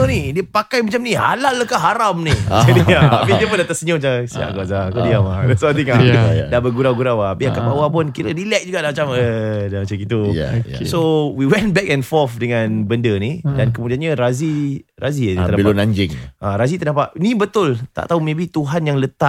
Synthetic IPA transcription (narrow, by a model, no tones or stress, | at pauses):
ənidiəpakajmat͡ʃamniha̰laləkaɦaɾamniədiaapidiəp̬ʊndat̪asəɲəmat͡ʃasia̰ʔɡazakadiamadasat̪̬iŋadabəɡuɾawɡuɾawaapiakabawapʊnkiɾədilɛʔ̚d͡ʒuɡaʔdamat͡ʃamədamat͡ʃakit̪ṵsowiwɛnbɛk̚ɛ̃nfɔfdəŋanbəndənidankəmudianɲaɾaziraziənailonaɲd͡ʒɪŋʔaɾazit̪ənapaʔnibət̪ʊlt̪a̰ʔt̪aumẽbit̪uɦanjaŋlət̪a